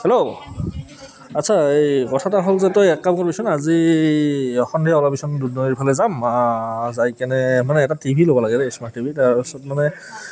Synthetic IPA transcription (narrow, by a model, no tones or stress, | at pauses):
hɛlo | atsʰaejkɔtʰataɦolzɛtɔjɛkːamkɔpisɔnazi | ɔxɔndʱijaɔlapisɔndudnɔiɹpʰalɛzamazajkɛnɛmanɛːtatibʱilobɔlaɡɛdɛismaktibʱitaɹpisɔt̚manɛ